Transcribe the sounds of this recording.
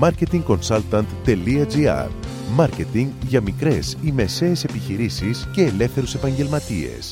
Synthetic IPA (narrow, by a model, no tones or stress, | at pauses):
mɐɾce̞t̪iŋɡko̞nsɐlt̪ɐnt̪ːe̞liɐziɐ̰ɾ | mɐɾcet̪iŋɡʝɐmikɾe̞sime̞se̞ːse̞piçiɾisisce̞ːle̞fθe̞ɾuse̞pɐɲɟe̞lmɐt̪ie̞̰s